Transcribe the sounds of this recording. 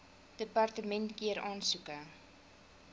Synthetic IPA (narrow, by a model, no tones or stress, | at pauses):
d̥əpɑrtəmɛntkiəɾɑːnsukə